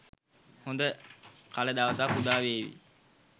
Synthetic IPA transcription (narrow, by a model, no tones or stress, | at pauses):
hond̪əkaləd̪aʋəsakud̪aːʋeːʋḭ